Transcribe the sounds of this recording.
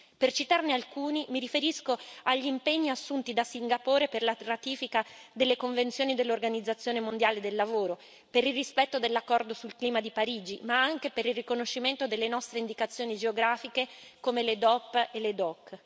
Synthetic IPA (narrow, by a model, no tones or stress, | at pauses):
pert͡ʃit̪arnealkuːnimiɾifeɾiskoaʎːimpeɲːiasːunt̪id̪asiŋɡapoːɾeperlarat̪iːfikad̪elːekoɱvent̪sjoːnid̪elːorɡanid̪zːat̪sːjoːnemond̪jaːled̪elːavoːɾo | peɾilrispɛt̪ːod̪elːakːɔrd̪osulkliːmad̪ipaɾiːd͡ʒimaaŋkepeɾilrːikonoʃːiment̪od̪elːenɔst̪ɾeind̪ikat̪sːjoːnid͡ʒeoɡɾaːfikekomeled̪ɔpːeled̪ɔkː